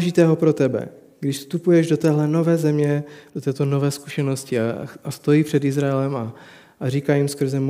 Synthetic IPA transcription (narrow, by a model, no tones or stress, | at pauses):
ʒɪt̪ɛːɦo̞pɾot̪ɛbɛ̰ | ɡdɪʃfst̪upujɛʒdot̪ɛːɦlɛno̞vɛːzɛmɲɛd̥ot̪ɛːt̪o̞novɛːskuʃɛnoscɪaast̪o̞jiːpr̝̥ɛd̪ɪzɾajɛlɛma | ʔariːkaːjɪmskr̩zɛm